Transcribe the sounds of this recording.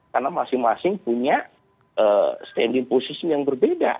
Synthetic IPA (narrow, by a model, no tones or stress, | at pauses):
karnamasɪŋmasɪŋpuɲa | ʔəst̪ɛndɪŋposisimjaŋbərbeda̰